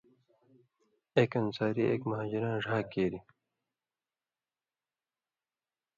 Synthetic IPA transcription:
eːkɐnsaːɾiʔḛːkmɐɦaːd͡ʑiɾãːʐʱaːkeːɾi

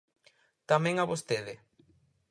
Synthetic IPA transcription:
t̪amẽŋaβost̪eðɪ

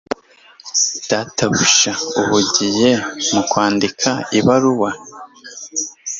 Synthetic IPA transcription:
d̥aːtʰaβuʃauβuɟije̞mukwaːndikʰaiβaɾuwa

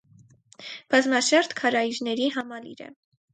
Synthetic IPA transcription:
b̥ɑzmɑʃɑɾt̪kʰɑɾɑiɾnɛɾiɦɑmɑlḭɾɛ̰

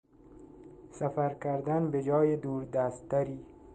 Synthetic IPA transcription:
safæɾkʰæɾd̪anbed͡ʒɒːjed̪uːɾd̪æst̪ːæɾiː

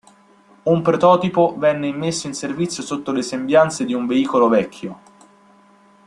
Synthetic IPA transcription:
umpɾot̪ɔːt̪ipovɛnːeimːesːoinservit̪sːjosot̪ːolesembjant̪sed̪iuɱveiːkolovɛkʰʲːjo

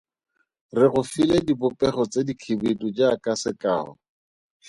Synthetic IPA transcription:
rɪɣʊfiledibʊpʼɛχɔt͡sedikʰibetud͡ʒaːkasɪka̰ːɔ̰

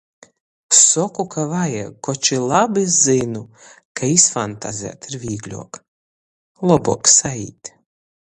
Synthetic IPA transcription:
sɔkukavaja̰kɔt͡ʃilˠabizinu | kaisfant̪a̰zʲɛ̰t̪iɾvʲiːɡlʲṵɔk | lˠɔbuɔksaḭːt̪ʲ

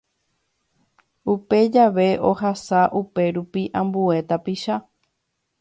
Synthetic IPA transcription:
upe̞d͡ʒaʋe̞ʔo̞hasaʔupe̞ɾupiʔãmbue̞t̪apiʃa

